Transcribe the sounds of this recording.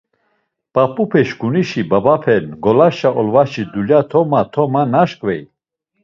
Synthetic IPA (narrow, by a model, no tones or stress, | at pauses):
pʼapʼupʰɛʃɡuniʃibabapʰɛnɡɔlaʃaʔɔlvaʃid̪uljat̪ʰɔmat̪ʰɔmanaʃkʼvɛj